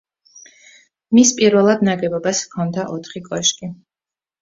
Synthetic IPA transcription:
mispʼiɾvɛlˠad̪naɡɛbɔbaskʰɔnd̪aʔɔt̪ʰχikʼɔʃkʼi

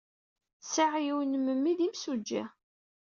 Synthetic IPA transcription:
saʕjiwnmːəmːiðimsud͡ʒːæ̰

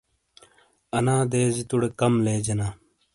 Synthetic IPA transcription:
ɐnãːd̪eːzit̪uɽekɐmleːd͡ʑɐnaː

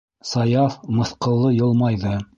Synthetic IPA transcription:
sɑjɑfmɤ̆θqɤ̆lˠːɤjɤ̆lˠmɑjðɤ

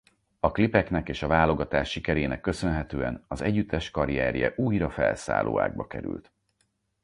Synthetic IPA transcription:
ɒklipɛknɛkeːʃɒvaːlo̞ɡɒt̪aːʃːikɛɾeːnɛkːø̞sø̞nɦɛt̪øːɛnɒzɛɟːyt̪ːɛʃkɒɾiɛɾjɛ̰ʔuːjrɒfɛlsa̰ːlʔo̰ːa̰ːɡ̚bɒkɛɾy̰lt̪

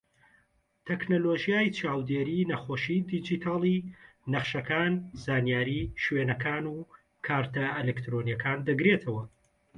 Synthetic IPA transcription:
t̪ʰeknoloːʒijaːjt͡ʃʰaːwd̪eɾiːnɐxoːʃiːd̪id͡ʒit̪ʰaːlˠi | nɐχʃɐkʰaːnzaːnijaːɾiːʃwenɐkʰaːnuː | kʰaːɾt̪ʰɐelekt̪ɾonijɛkaːnd̪ɐɡɾet̪ʰɐwɐ

